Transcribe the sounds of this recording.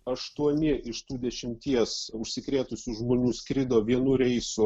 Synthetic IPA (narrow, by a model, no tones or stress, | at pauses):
ɐʃt̪uɔnʲɪɪʃt̪uːd̪ʲɛʃʲɪmʲt̪ʲiɛsʊʃʲsʲɪkɾʲeːt̪ʊsʲuʒmoːnʲuːsʲkɾʲɪd̪oːʋʲiɛnuːɾʲɛɪsʊ